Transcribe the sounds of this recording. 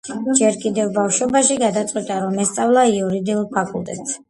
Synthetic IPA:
d͡ʒɛɾkʼid̪ɛvbafʃɔbaʃiɡad̪at̪sʼqʼwit̪ʼaɾɔmɛst̪sʼavlˠaiuɾid̪iulˠpʰakʼṵlˠt̪ʼɛ̰t̪ʼs

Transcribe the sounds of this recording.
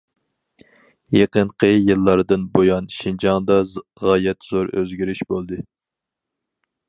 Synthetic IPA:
jeqəɴqʰəjɨlˠːɑɾd̪ɨnbojɑnʃind͡ʒɑŋd̪ɑʁɑjɛt̪z̥oɾøzɡʲiɾiʃbolˠd̪ɨ

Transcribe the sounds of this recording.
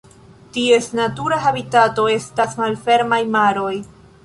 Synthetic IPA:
tie̞snatuɾaɦabitato̞e̞stasmalfe̞ɾmajmaɾo̞j

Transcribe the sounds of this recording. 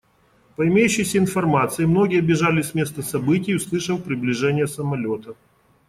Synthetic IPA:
pəɪmʲejʉɕːɪjsʲəɪn̪fɐrmat̪sɨjɪmno̞ɡʲɪjəɐbʲɪʐalʲɪsʲmʲe̞st̪əsɐbɨtʲɪjʊslˠɨʂəfpɾʲɪblʲɪʐɛnʲɪjəsəmɐlʲo̞t̪ə

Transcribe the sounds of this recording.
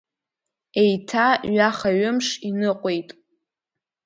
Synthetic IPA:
ejtʰaɥaχaɥʊmʂinɨqʷʼejtʼ

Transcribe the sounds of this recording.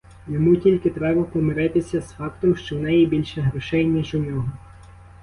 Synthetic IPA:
jɔmutʲilʲkɪt̪ɾɛbɐpɔmɪɾɪt̪ɪsʲɐsfɑkt̪ɔmʃt͡ʃɔwnɛjibʲilʲʃɛɦɾɔʃɛjnʲiʒʊnʲɔɦɔ

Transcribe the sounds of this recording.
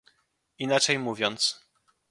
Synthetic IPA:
inat͡ʂɛjmuvʲjɔnt̪s

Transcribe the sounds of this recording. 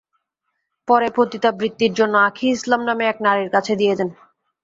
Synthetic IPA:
pɔɾepɾot̪it̪abɾit̪ːiɾd͡ʑonːoakʰiislamnameɛk̚naɾeɾkat͡ɕʰed̪ijed͡ʑen

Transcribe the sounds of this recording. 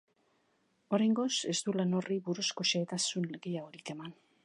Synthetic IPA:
o̞ɾajŋɡo̞se̞zd̪ulano̞riβuɾuskoʃeːt̪asunleɣiaoɾike̞man

